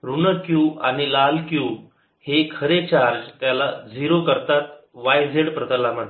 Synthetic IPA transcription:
ɾuɳəkjuːaɽ̃ilalkjuː | hekʰəɾet͡ɕaɾd͡ʑt̪jalad͡zʱiɾokəɾt̪at̪ | ʋajd͡zʱeɽpɾət̪əlaməɽ

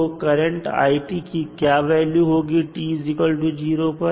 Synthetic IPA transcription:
okɐɾə̃ɳʈa̰ːiʈikikjaːʋɛːljuɦoːɡiʈiːzɪkəlʈud͡ʒiːɾoːpɐ

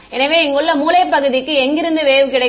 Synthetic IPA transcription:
ɛnɐʋeːɛŋɡɯɭːɐmuːlɐɪpːɐɣɯðɪkːɯɛŋɡɪɾɯnd̪ɯʋeːʋɯkɪɽɐɪ

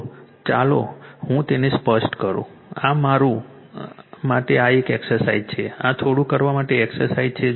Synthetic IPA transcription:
t͡ʃalo̰hũt̪enespəsʈkəɾṵ̃ | amaɾũ | maʈeaekeksəɾsaid͡ʒt͡ʃʰeãt̪ʰoɽũkəɾʋamaʈeːksəɾsaid͡ʒt͡ʃʰe

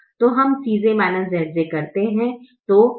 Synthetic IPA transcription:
t̪oːɦɐmsiːzẽmaːnəsɐɾd͡ʒekɐɾt̪eɦɛ̃t̪oː

